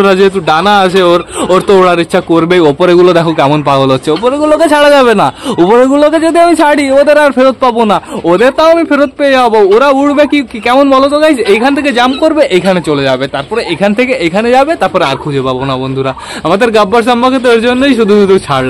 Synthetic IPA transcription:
ɾad͡ʑeet̪̬uɖanaaʃʰeoɾoɾt̪ooɽaɾitːɕʰakoɾbeopoɾeɡulod̪ɛkʰokɛmonpaɡolotːɕʰeopoɾeɡuloket͡ɕʰaɽad͡ʑaβenaupoɾeɡuloked͡ʑod̪ʱiamit͡ɕʰaɽiod̪eɾaɾfʰeɾot̪̚pabonaod̪eɾt̪aoamifʰeɾot̪̚peeabooɾauɽbekikikɛmonmɔlot̪oɡajejkʰanet̪ʰeked͡ʑamkoɾbeʔejkʰanet͡ɕoled͡ʑabet̪aɾpɔɾeejkʰant̪ʰekeʔejkʰaned͡ʑabet̪aɾpɔɾeaɾkʰud͡ʑʱepabonabond̪ʱuɾa | amad̪eɾɡabːaɾs̬aamːaket̪̬oeɾd͡ʑonːojʃud̪ʱuut̪ut͡ɕʰaɽ

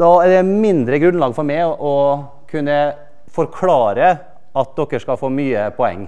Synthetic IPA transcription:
d̪ɑːæɾd̪ɛmɪnd̪ɾəɡɾʉnlɑːɡfɔɾmæɪʔɔ | kʰʉnːə | fɔɾkʰlɑːɾə | ɑt̪̚d̪ɔkːəʂkɑfoːmyːəpʰɔɛ̰ŋː

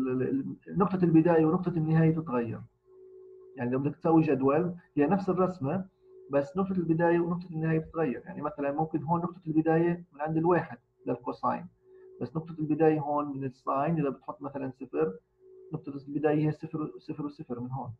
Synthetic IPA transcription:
nʊq̚t̪ˤɑlbɪd̪aːjawnʊq̚t̪ˤɑnːɪɦaːjat̪ɪt̪ɣajːɑ̰ɾ | jaʕnilabd̪ɪk̚t̪sawːid͡ʒad̪walhɪjːanafsɨrˤːɑsma | basːnʊqt̪ˤɑlbɪd̪aːjawnʊq̚t̪ˤɑnːɪhaːjabɪt̪ɣajːɑɾja̰ʕnimaθalanmʊmkɪnɦoːnːʊq̚t̪ˤɑlbɪd̪aːjamɪnʕɪnd̪ɪlweːħɪd̪̚ | lalkosˤɑ̰ːjn | basːnʊq̚t̪ˤɑlbɪd̪aːjaɦoːnmɪnɪsˤːɑːjnʔɪðabɪt̪ħʊt̪ːˤmaθalansɪfɾ | nʊq̚t̪ˤɑlbɪd̪aːjahɪːasɪfɾsɪfɾwsɪfɾmɪnɦoːn

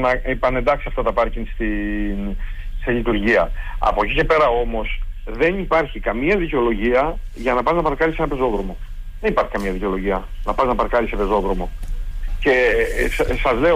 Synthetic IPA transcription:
nɐepɐne̞nd̪ɐksiɐft̪ɐt̪ɐpɐɾcinst̪in | seʎit̪uɾʝiɐɐ̰po̞cicepe̞ɾɐo̞mo̞s | ðe̞nipɐɾçikɐmiɐðiceo̞lo̞ʝiɐ | ʝɐnɐpɐznɐpɐɾkɐɾisenɐpe̞zo̞ðɾo̞mo̞ | ðenipɐɾçi̥kɐmiɐðiceo̞lo̞ʝiɐ | nɐpɐznɐpɐɾkɐɾisepe̞zo̞ðɾo̞mo̞ce̞ | sɐzle̞o

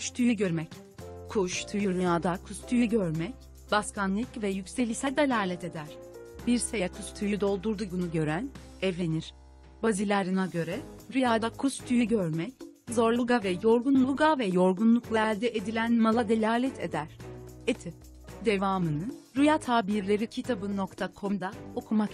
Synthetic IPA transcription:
kʃt̪ʰujyɟøɾmɛc | kʰuʃt̪ʰujyɾyjaːd̪akʰust̪ʰyjyɟøɾmɛc̚ | b̥askʰanlʲˠɯcvɛjycse̞lʲiçsæd̪elʲaːlʲɛt̪e̞d̪æɾ̥biɾsejakʰust̪ʰujyd̪o̞lˠd̪uɾd̪uɡunuɟø̞ɾæn | ɛvlʲeniɾ̥ | bazilʲaɾɯnaɟø̞ɾɛɾujaːd̪akʰust̪ʰyjyɟøɾmɛc | zo̞ɾlˠuɡavɛjo̞ɾɡunlˠuuɡavɛjo̞ɾɡunlˠuklˠaælʲd̪ɛʔed̪ilʲænmalˠad̪e̞lʲaːlʲɛt̪ʰe̞̰d̪æɾ̥et̪ʰip̚ | d̪e̞vaːmɯnɯnɾujat̪ʰaːbiɾlʲe̞ɾicʰit̪ʰabɯno̞kt̪ʰakʰo̞md̪ao̞kʰumak

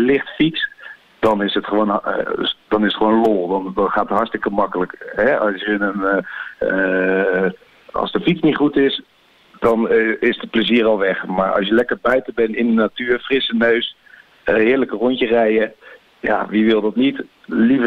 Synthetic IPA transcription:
lɪχtfits | d̥ɑnɪsətχəʋoːn̰ | d̥ɑnɪsətχəʋownlolˠdɔndɔnχaːtətɦɑɹtstɪkəmɑkələkɦɛɑsjənən | ɑ̰lˠsdəfitt͡snitχutɪs | dɑnɪsdəpləziərɑlˠʋɛχmaːɹɑ̰lˠsjəlɛkəɹbœɥtəbɛnɪndənatyːɹfrɪsənøɥs | əɦɪːɹləkərontərɛjə | ja̰ʋiʋɪlˠdɑtnit | livə

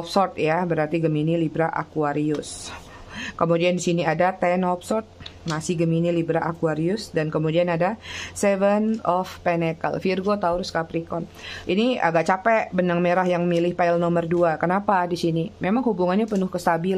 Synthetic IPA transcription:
ɔpsɔrt̪jabəɾart̪iɡəminilibɾaʔa̰kuaɾiʊs | kəmudiandisiniadat̪ɛnɔpsɔrt̪̚masɪhɡəminilibɾaʔakuaɾiʊsdankəmudianadasɛvənɔfpenekə̰lfirɡot̪auɾskapɾikɔnʔinia̰ɡaʔ̚t͡ʃapɛʔbənaŋmeɾahjaŋmilɪhpaɪlnɔmərduakənapadisinimemaŋhubuŋanɲapənʊhkəst̪abil

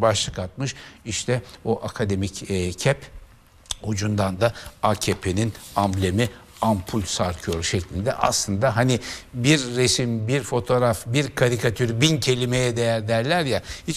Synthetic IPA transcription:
baʃlˠɯkat̪̚mɯʃiʃt̪ʰɛoʔakʰad̪e̞micːcʰɛp | hud͡ʒund̪and̪aacʰepʰe̞ninamblʲemi | ampʰulʲsaɾkʰɯjo̞ɾʃeclʲind̪ɛ̰ʔa̰slˠɯnd̪aɦanibiɾːesimbiɾfo̞t̪ʰo̞ɾafbiɾkʰaɾikʰat̪ʰyɾbincʰe̞lʲime̞jɛd̪e̞jæɾd̪æɾlʲæɾjahit͡ʃ

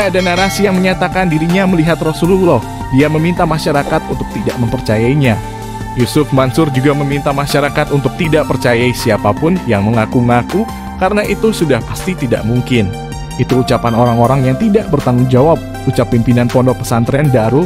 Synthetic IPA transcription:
adanaɾasijaŋməɲat̪akandiɾiɲaməliɦat̪rɔsululɔh | diaməmint̪amaʃaɾakat̪̚unt̪ʊk̚t̪idaʔməmpərt͡ʃajaiɲa | jusʊfmansʊrd͡ʒuɡaməmint̪amaʃaɾakat̪unt̪ʊk̚t̪idaʔpərt͡ʃajaisiapapʊnjaŋməŋakuəŋaku | kaɾənaʔit̪usudahpḁst̪it̪ida̰ʔmuŋkɪn | it̪uːt͡ʃapanoɾaŋoɾaŋjaŋt̪idaʔbərt̪aŋʊŋd͡ʒawap̚ | ut͡ʃapːimpinanpɔndɔpə̥sant̪ɾɛndaɾu

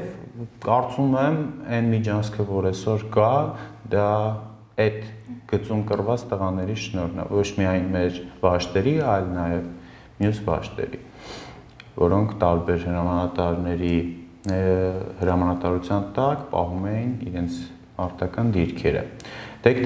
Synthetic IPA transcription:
vkɑɾt͡sumɛmɛnmid͡ʒɑnskʰəvɔɾɛsɔɾkɑd̪ɑ | ɛt̪ɡ̥ət͡sumkərvɑt͡st̪əʁɑnɛɾiʃnɔɾnɑ̰vɔt͡ʃʰmiɑjnmɛɾvɑʃt̪ɛɾiɑjlnɑjɛv | mjusvɑ̰ʃt̪ɛ̰ɾi | vɔɾɔŋkʰt̪ɑɾbɛɾhəɾɑmɑnɑt̪ɑɾnɛɾi | həɾɑmɑnɑt̪ɑɾut͡sʰjɑnt̪ɑkpɑ̰ɦumɛjinḭɾɛnt͡sʰ | mɑɾt̪ɑkɑnd̪iɾkʰɛɾə̰t̪ɛk

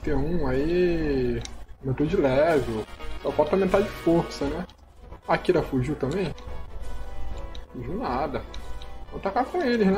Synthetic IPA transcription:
t̪ẽũai | mẽt̪od͡ʒɪlɛvewsɔpat̪ɐ̃mẽt̪ad͡ʒɪfoɾsɐnɛ | akiɾɐfuʒiwt̪ɐ̃mẽj̃ | fuʒiwnad̪ɐnɐ̃w̃t̪akakõelɪznɛ

